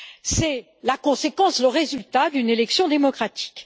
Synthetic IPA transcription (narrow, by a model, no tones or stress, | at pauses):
sɛ | lakɔ̃sekɑ̃sləʁezylt̪ad̪ynelɛksjɔ̃d̪emɔkχat̪ʰi̥k